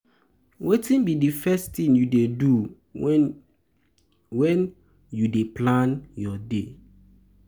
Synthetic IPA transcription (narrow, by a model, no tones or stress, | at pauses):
wetĩnbidifɛst̪ĩnjudedu | wɛ̃n | judeplãnjɔde